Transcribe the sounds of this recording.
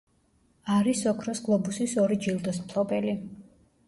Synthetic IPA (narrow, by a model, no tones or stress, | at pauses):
aɾisɔkʰɾɔsɡlˠɔbusisɔɾid͡ʒilˠd̪ɔsmpʰlˠɔbɛli